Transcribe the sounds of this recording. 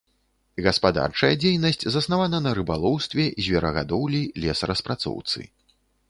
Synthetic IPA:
ɣɐspad̪a̰rt͡ʂɐjɐd͡zʲejnɐsʲt͡sʲzɐsnavanɐnɐɾɨbalˠɔwst̪vʲɛzʲvʲɛɾɐɣa̰d̪ɔwlʲilʲɛsrɐspɾat̪sɔ̰wt̪sɨ̰

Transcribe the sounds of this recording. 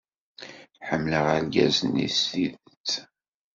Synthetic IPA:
ħəmːləʁælɡæ̰zənḭsiðt͡sː

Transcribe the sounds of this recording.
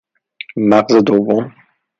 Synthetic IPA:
maqzed̪ovːom

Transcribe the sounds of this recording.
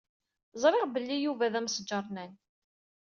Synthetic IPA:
zˤɾˤɪʁbəlːijuvæðæmsd͡ʒːəɾˤnæn

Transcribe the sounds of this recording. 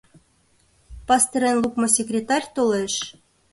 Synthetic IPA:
pɑst̪ɤɾenlˠukmŏsʲekrʲet̪ɑrʲt̪oleʃ

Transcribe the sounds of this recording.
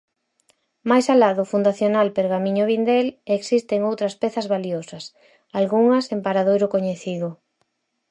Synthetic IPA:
majsalaðʊfund̪aθjonalpeɾɣamĩɲoβind̪eleksist̪eŋowt̪ɾɐspɛθɐzβaliosɐs | alɣuŋɐsempaɾaðojɾʊkoɲeθiðʊ

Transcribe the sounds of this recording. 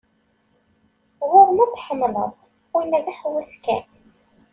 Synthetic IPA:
ʁʊɾmæθħəmmə̰ðˤ | inːæðæħwæskæ̰

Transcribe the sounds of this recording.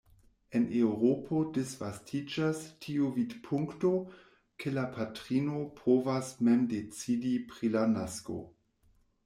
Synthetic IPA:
enewɾopʰodesvastʰid͡ʒastʰiuvidpʰuŋkto | kʰelapʰatɾino̞pʰovasmemdet͡sidipɾilanasko̰

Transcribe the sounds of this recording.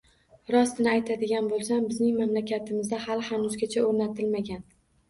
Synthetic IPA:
ɾɒst̪ɪnɪajt̪ʰad̪ɪɡʲanbolˠsambɪznɪŋmamlakʲat̪ʰɪmɪzd̪ahalhanʊzɡʲat͡ʃʰaoɾnat̪ʰɪlmaɡʲan

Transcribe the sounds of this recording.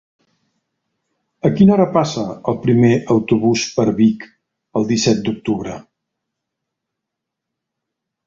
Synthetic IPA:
əkinɔɾəpasəəlˠpɾimeʔəwt̪uβuspəɾβik | əlˠd̪isɛt̪̚d̪uk̚t̪uβ̞ɾə

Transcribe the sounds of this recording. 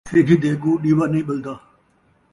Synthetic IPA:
sʰeːɡiːd̪eːɡuːɗiːʋaːnĩːɓəld̪aː

